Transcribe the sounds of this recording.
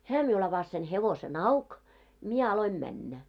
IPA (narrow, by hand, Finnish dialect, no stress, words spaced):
hæː miul ɑʋɑs sen heʋosen ɑuk mie ɑloim mænːæ